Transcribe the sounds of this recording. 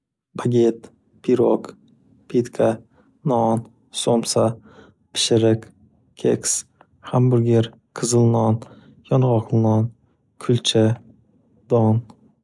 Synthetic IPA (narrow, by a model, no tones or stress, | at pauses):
baɡʲet̪ | pʰiɾok | pʰet̪kʰa | nɒn | somsa | pʰɪ̥ʃɪɾɪk | kʲʰeks | hambʊɾɡʲeɾ | qʰɨzɨlˠnɒn | jɒnʁɒqʰlˠnɒn | kʰʊlt͡ʃʰɪ | d̪̥ɒn